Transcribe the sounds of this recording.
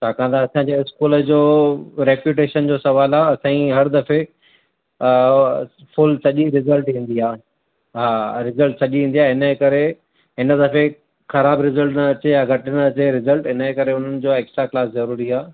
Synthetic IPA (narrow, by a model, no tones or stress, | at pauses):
t͡ɕʰaːkãːn̆d̪aːsãːɲd͡ʑeɪskuːləd͡ʑoːɾeːpjuːʈ̬eːʃənd͡ʑoːsɐʋaːlaːɐsãːĩɦɐɾd̪ɐfe | fʊlsɐʄiɾɪzəlʈɦĩːn̆d̪iaː | ɦaːɾɪzəlʈsɐʄiɦĩːnd̪iaːɪɪnəkɐɾe | ɪnəd̪ɐfe | xɐɾaːbɾɪzəlʈnɐɐt͡ɕejaɡʱɐʈɪnəɐt͡ɕeɾɪzəlʈɪnəekɐɾeʊn̤ənɪ̆d͡ʑoːeːksʈɾaklaːszɐɾuːɾiaː